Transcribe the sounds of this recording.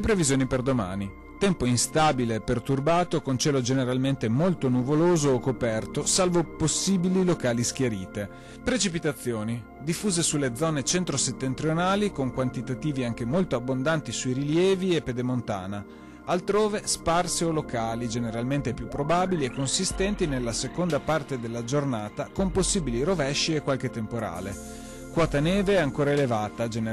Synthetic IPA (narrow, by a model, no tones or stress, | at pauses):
lepɾevizjoːniperd̪oma̰ːni | t̪ɛmpoinst̪aːbileːpːert̪urbaːt̪okont͡ʃɛːlod͡ʒeneɾalment̪emolt̪onuvoloːzoːkːopɛrt̪osalvoposːiːbililokaːlisk̟jaɾiːt̪e | pɾet͡ʃipit̪at̪sːjoːni | d̪ifːuːzesulːed̪zɔːnet͡ʃent̪ɾoset̪ːent̪ɾjonaːlikoŋkwant̪it̪at̪iːviaŋk̟emolt̪oabːond̪ant̪isuiɾiljɛːviepːed̪emont̪a̰ːna | alt̪ɾoːvesparseolokaːlid͡ʒeneɾalment̪epjupːɾobaːbiliekːonsist̪ɛnt̪inelːasekond̪apart̪ed̪elːad͡ʒornaːt̪akomposːiːbiliɾovɛʃːiekːwalk̟et̪ːempoɾa̰ːle | kwɔːt̪anɛːveɛaŋkoːɾaelevaːt̪ad͡ʒen